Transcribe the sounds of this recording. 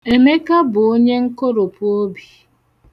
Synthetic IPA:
e˨me˦ka˦bʊ˨o˦ɲe˦ŋ̩˦ko˦ɾo˨pʊ˦o˦bi˨

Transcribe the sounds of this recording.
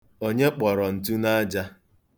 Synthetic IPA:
o˦ɲe˦k͡pɔ˨ɾɔ˨n̩˨t̬u˦na˦a˦d͡ʒa˦

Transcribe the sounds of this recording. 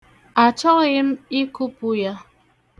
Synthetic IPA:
a˨t͡ʃɔ˦kji˦m̩˦i˦ku˦pu˦ja˦

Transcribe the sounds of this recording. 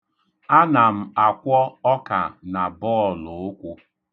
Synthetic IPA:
a˦na˨m̩˨a˨kʷɔ˦ɔ˦ka̰˨na˨bɔ˦˨lʊ˨ʊ˦kʷʊ˦

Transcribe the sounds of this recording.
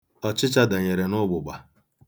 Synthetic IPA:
ɔ˨t͡ʃɪ˦t͡ʃa˦da˨ɲe˨ɾe˨nʊ˦ɡ͡bʊ˨ɡ͡ba˨

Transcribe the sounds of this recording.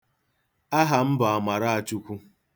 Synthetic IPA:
a˦ɦa˨m̩˦ba˨a˨ma˨ɾa˦a˨t͡ʃu˦kʷu˦

